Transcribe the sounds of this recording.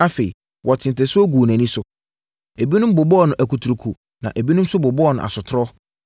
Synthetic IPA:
a˦fe˨i˨ | wʔɔ˨tʰɪ̃˨ntʰɛ˨sʊ˦o˦ɡuː˨næ̃˨nĩ˦sʊ˨ | e˨bi˦nʊ̃˦m˦bʊ˨bɔ˦ɔ˦˨nʊ̃˨ʔæ˨kʰu˨tʰu˨ɾu˨kʰu˨ | nã̰˨ʔe˨bi˦nʊ̃˦m˦sʊ˦bʊ˨bɔ˦ɔ˦˨nʊ̃˨ʔa̰˨sʊ˨tʰɾɔ˦

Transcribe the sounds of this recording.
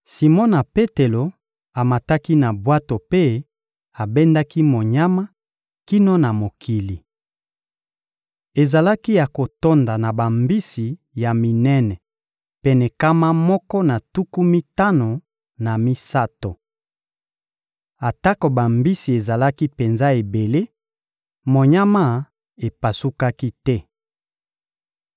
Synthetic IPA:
si˨mɔ˦na˨pe˦te˨lo˨ | a˨ma˨ta˦ki˦na˨bwa˦to˨pe˦ | a˨be˦nda˦ki˦mo˨ɲa˦ma˦ | ki˦no˦na˨mo˨kʰi˨li˨ | e˨za˨la˦ki˦ja˨ko˨to˦nda˨na˨ba˨mbi˦si˨ | ja˨mi˨nɛ˦nɛ˨ | pɛ˨nɛ˨ka˦ma˦mɔ˦kɔ˦na˨tu˦ku˦mi˦ta˦no˨ | na˨mi˦sa˦to˨ | a˨ta˦ko˨ba˨mbi˦si˨e˨za˨la˦ki˦pe˨nza˦e˨be˨le˦ | mo˨ɲa˦ma˦˨ | e˨pa˨su˦ka˦ki˦tɛ˦

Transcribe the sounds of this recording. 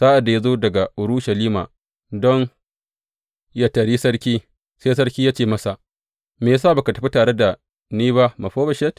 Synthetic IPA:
saː˦ʔa˨da˨ja˦zoː˦dɐ˨ɡa˨ʔʊ˨ɾʊ˦ʃɐ˨liː˦ma̰ː˨ | dɔ˦ŋ | ja˨tɐ˨ɽi˦sɐ˦ɽkʲiː˦ | se˦sɐ˦ɾkʲiː˦jaː˦t͡ʃeː˦˨mɐ˦sa˨ | meː˨js̬aː˦˨ba˨ka˨tɐ˨ɸi˦taː˨ɽe˦da˨ | niː˦ba˦ma˨ɸoː˦bɐ˨ʃɛ˦t

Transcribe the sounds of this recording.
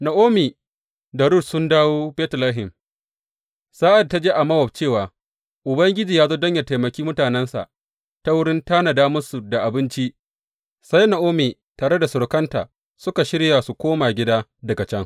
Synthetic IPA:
na˨ʔoː˦miː˨ | da˨ɽu˦tsʊ˦ndaː˦woː˦bɛː˦tlaː˦ɦɪ˨m | saː˦ʔa˨d̚tːa˦d͡ʒeː˦ʔa˨mɐ˦wɔ˨b̚t͡ʃeː˦˨waː˨ | ʔʊ˨bɐ˦ŋɡʲɪ˦d͡ʒiː˨jaː˦zoː˦dɐ˦ɲjɐ˨ta˨jmɐ˨kʲiː˦mʊ˦taː˨nɛ˦nsa̰˨ʔ | ta˦wʊ˦ɽɪ˦nta˦na˨daː˦mʊ˦su˨da˨ʔa˨bɪ˦nt͡ʃi˦ʔ | sa˦jna˨ʔoː˦miː˨ | taː˨ɽe˦da˨sʊ˨ɾʊ˦kɐ˦nta̰ː˨ | sʊ˦ka˨ʃɪ˦ɽja˨su˨kʷoː˦maː˨ɡʲɪ˦daː˦dɐ˨ɡa˨t͡ʃɛ˦ŋ

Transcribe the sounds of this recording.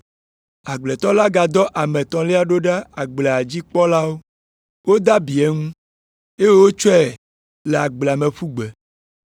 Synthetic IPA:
a˨ɡ͡ble˨t̪ɔ˦la˦ɡa˨d̪ɔ˦ʔa˨mẽ˨t̪ɔ̃˨le˦a˨ɖo˦ɖa˦a˨ɡ͡ble˨a˨d͡ʑi˦k͡pɔ˦la˦wo˦ | wo˦d̪a˦bi˨ɛ˦ŋũ˦ | e˦je˦wo˦t͡ʃɔ˦ɛ˨ | le˨a˨ɡ͡blɛ˨a˨mẽ˨ɸu˦ɡ͡be˨

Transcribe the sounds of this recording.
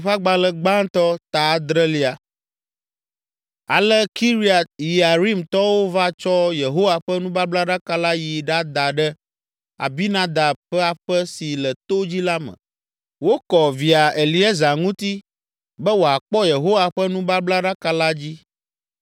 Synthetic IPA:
ɸa˦ɡ͡ba˦lɛ˦ɡ͡ba˦ŋt̪ɔ˦t̪a˨˦d̪ɾɛ˦li˦a˨ | a̰˨lɛ˦ki˦ɾi˦a˨t̪̚ji˨a˨ɾi˦mt̪ɔ˦wo˦va˦t͡ʃɔ˦je˨ɦo˦wa˨ɸɛ˦nũ˦ba˦bla˦ɖa˦ka˦la˦ji˨ɖa˦d̪a˨ɖɛ˦ | a̰˨bi˦nã˦d̪a˨bɸɛ˦a˨ɸə˦si˨lɛ˨t̪o˦d͡ʑi˦la˦mə̰̃˨ | wo˦kɔ˨vi˨a˨e˨li˦ɛ˦za˨ŋũ˦t̪i˦ | bɛ˦wo˨a˨k͡pɔ˦je˨ɦo˦wa˨ɸə˦nũ˦ba˦bla˦ɖa˦ka˦la˦d͡ʑi˦

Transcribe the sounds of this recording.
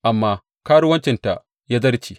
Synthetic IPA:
ʔa˨mːaː˦ | kaː˦ɽu˦wɐ˦nt͡ʃɪ˨nta̰˨ʔ | jaː˦zɐ˦ɾt͡ʃiː˨

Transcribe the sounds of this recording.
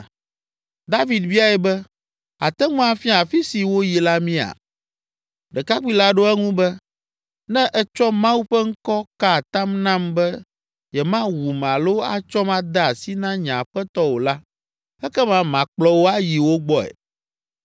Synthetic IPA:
d̪a˦vi˨d̪vi˦a˨ɛ˨bɛ˦ | a˨t̪ɛ˦ŋũ˦a˨fi˦a˨fi˦si˨wo˦ji˨la˦mĩ˦a̰˨ | ɖɛ˨ka˦k͡pi˦la˦ɖo˦ɛ˦ŋũ˦bɛ˦ | nɛ̃˦ʔɛ˦t͡ʃɔ˦mã˦wu˦ɸɛ˦ŋ̩˦kɔ˦ka˦˨t̪ã˦mnã˦mbɛ˦ | jɛ˨mã˦wu˨m˨ã˨lo˦a̰˦t͡ʃɔ˦mã˦d̪a˦a˨si˦nã˦ɲã˨ɸɛ˦t̪ɔ˦wo˨la˦ | ɛ˦kɛ˦mã˦mã˨k͡plɔ˦wo˦a˦ji˨wo˦ɡ͡bɔ˦ɛ̰˨

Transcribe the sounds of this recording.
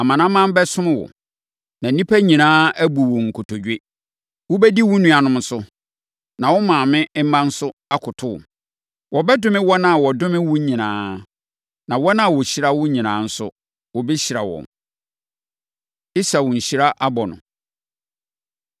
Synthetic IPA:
a˨mã˨nã˦mã˦m˦bɛ˦sʊ̃˦mɪ̃˦wɔ̰˨ | nã˨˦nĩ˦pʰæ˦ɲĩ˨nãː˦æ˦bu˨wɔ˨ŋ̩˨kʰʊ˨tʰɔ˨d͡ʑᶣe˦ | wʊ˦bɛ˦di˦wʊ̃˦nũ˨a˨nʊ̃˦m˦sʊ˦ | nã˨wɔ˦mã˨mɪ̃˦m̩˦mã˦n̩˦sʊ˦a˦kʰʊ˨tʰʊ̰˦˨ | wʔɔ˨bɛ˦dʊ̃˦mɪ̃˦wɔ˦nã˦a˨wɔ˨dʊ̃˦mɪ̃˦wʊ̃˦ɲĩ˨nãː˦ | nã˨wɔ˦nã˦a˨wɔ˨ɕi˦ɾa˦wʊ̃˦ɲĩ˨nãː˨˦n̩˦sʊ̰˦ | wɔ˨bɛ˦ɕi˨ɾa˨wɔ̰̃˨m | ɪ˦sa˨wʊ̃˨ɲ̩˨ɕi˦ɾa˦ʔa˦bɔ˨nʊ̰̃˨

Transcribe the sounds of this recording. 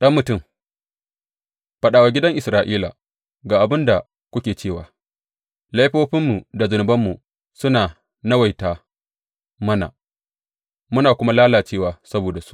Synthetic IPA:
ɗɐ˦mːʊ˨tʊ˦˨m | ɸɐ˦ɗaː˨wa˨ɡʲɪ˦dɐ˦ŋʔɪ˨sɾaː˨ʔiː˦la̰˨ | ɡaː˨ʔa˨bɪ˦nda˨ | kʷʊ˦kʲeː˨t͡ʃeː˦˨waː˨ | la˦jɸoː˦ɸɪ˦mːu˨da˨zʊ˨nʊ˨bɐ˦mːu˨ | sʊ˦naː˨ | nɐ˦wa˨jtaː˨ | mɐ˦na̰˨ | mʊ˦naː˨kʷʊ˦ma˦laː˦laː˨t͡ʃeː˦waː˨sɐ˦boː˨da˨su̥˦ʔʔ

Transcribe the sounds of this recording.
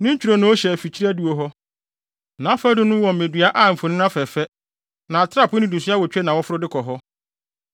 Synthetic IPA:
nɪ̃˦ɲ̩˦t͡ɕᶣʰu˨ɾo˨nʊ̃˦ɔ˦ɕɛ˨fi˨t͡ɕʰi˦ɾæ˦du˨o˨ɦɔ˦ | nã˨˦fɛ˦dʊ̃˦nʊ̃˦wɔ̃˨m̩˨mẽ˨dɥa˦ʔa˦m̩˨fʊ̃˨nɪ̃˦n˦a˦fɛ˨fɛ˦ | nã˨a˨tʰɪ˦ɾa˦˨pʰnɪ̃˨du˨sʊ˦a˦wɔ˨t͡ɕᶣɛ˦nã˨wɔ˦fʊ˦ɾʊ˦dɪ˦kʰɔ˨ɦɔ˦

